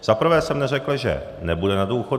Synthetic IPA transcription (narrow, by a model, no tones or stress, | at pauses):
z̥apr̩vɛːsɛmnɛr̝ɛklʒɛ̰ | nɛbudɛnaduːxo